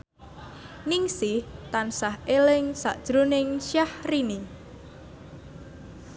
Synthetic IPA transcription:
niŋsɪht̪ansahelɪŋsa̰ʔd̥ʒ̥ɾonɪŋʃjahrini

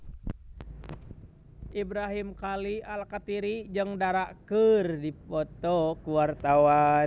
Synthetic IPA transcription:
ibɾaɦimkalialkat̪iɾid͡ʒɨŋdaɾaʔkɨrdipɔt̪ɔkuwart̪aa

